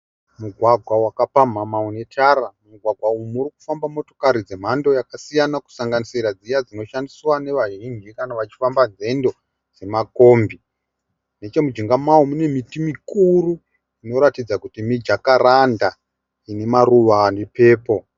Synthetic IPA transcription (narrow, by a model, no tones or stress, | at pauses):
muɡʱwaɡʱwawakapam̤amaune̞tʰaɾamuɡʱwaɡʱwaujumuriku̥fambamo̞to̞̥kaɾid͡ze̞m̤ando̞jakasijanaku̥saŋɡanisiɾad͡zijad͡zino̞ʃandiswane̞ʋaʒind͡ʒikanaʋat͡ʃi̥fambanze̞ndo̞ | d͡ze̞mako̞ːmbi | ne̞t͡ʃe̞mud͡ʒiŋɡamawomune̞mitimikuru | ino̞ɾatid͡zakutimid͡ʒakaranda | ine̞maruʋandipe̞ːpo̞